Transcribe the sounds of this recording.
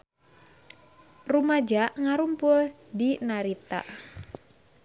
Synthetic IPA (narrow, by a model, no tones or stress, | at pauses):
rumad͡ʒaʔŋaɾumpʊl | dinaɾit̪a̰ʔ